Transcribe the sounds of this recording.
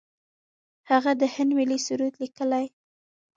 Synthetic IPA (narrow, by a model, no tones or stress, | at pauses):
haɣad̪əhɪnd̪milisuɾut̪likəlaj